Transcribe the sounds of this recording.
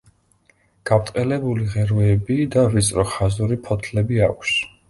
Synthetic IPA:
ɡ̥apt̪ʼqʼɛlɛbuliʁɛɾvɛːbid̪avit̪sʼɾɔχazuɾipʰɔt̪ʰlɛbiakʷʰs

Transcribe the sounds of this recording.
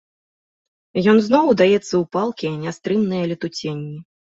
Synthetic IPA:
jɔnznɔwd̪ajɛt̪sːɐupalˠkʲiɐnʲast̪ɾɨmnɨjɐlʲit̪ut͡sʲenʲːi

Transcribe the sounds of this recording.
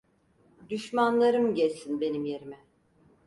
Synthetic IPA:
d̪yʃmanlˠaɾɯmɟɛlʲsinbe̞nimje̞ɾimɛ

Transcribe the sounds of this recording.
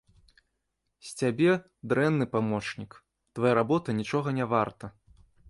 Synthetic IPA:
sʲt͡sʲabʲɛ | d̪ɾɛnːɨpamɔt͡ʂnʲik | t̪vajaɾabɔt̪ɐnʲit͡ʂɔɣɐnʲɛvart̪ɐ

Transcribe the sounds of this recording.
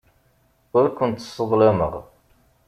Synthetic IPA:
ʊɾkʷʊnt̪sˤːəðˤlæmə̰ʁ

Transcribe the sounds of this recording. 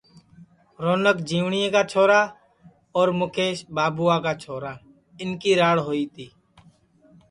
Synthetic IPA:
ɾoːnəkd͡ʒiːʋɳɪjeːkaːt͡ʃʰoːɾaː | ɔːɾmʊkʰeːʃbaːbuːaːkaːt͡ʃʰoːɾaː | ɪnkiːɾaːɽɦoːiːt̪ʰiː

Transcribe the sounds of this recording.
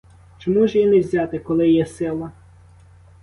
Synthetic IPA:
t͡ʃɔmuʒjinɛwzʲɑt̪ɪkɔlˠɪjɛsɪlˠɐ

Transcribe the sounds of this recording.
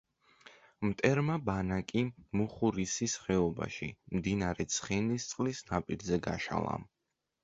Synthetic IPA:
mt̪ʼɛɾmabanakʼimuχuɾisisχɛɔba̰ʃḭmd̪inaɾɛt̪sʰχinist̪sʼqʼlisnapʼiɾzɛɡa̰ʃa̰lˠa̰

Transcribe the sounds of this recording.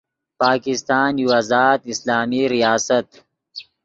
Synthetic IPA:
paːkɪst̪aːnjuazaːd̪ɪslaːmiɾijaːsɐt̪

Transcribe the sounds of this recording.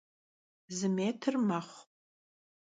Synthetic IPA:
zɨmeːtʰɨrmaχʷ

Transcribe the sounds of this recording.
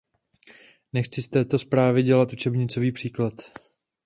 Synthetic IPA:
nɛxt͡sɪst̪ɛːt̪o̞spɾaːvɪɟɛlat̪ʔut͡ʃɛbɲɪt͡so̞viːpr̝̥iːklat̪

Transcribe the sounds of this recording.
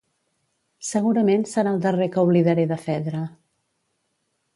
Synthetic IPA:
səɣuɾəmensəɾaːlˠd̪ərekəuβliðəɾeðəfɛðɾə

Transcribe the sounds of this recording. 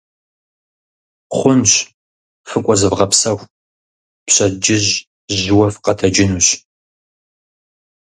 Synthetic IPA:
χʷʊnɕ | fɨkʷʼɔzɨvʁɐpsɐxʷ | pɕɐd͡ʒɪʑ | ʑwɐfqɐtʰɐd͡ʒɪnuɕ

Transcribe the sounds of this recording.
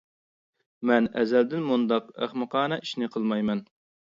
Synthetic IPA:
mɛnɛzɛld̪ɪnmund̪ɑqæ̰χmɨqʰɑːnɑʔi̥ʃnɪqʰəlˠmɑjmɛn

